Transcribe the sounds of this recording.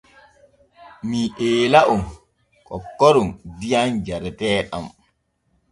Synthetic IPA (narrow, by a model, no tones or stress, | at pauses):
miʔeːlaʔun | kɔ̰kːɔɾundijand͡ʒaɾɛtɛːɗa̰m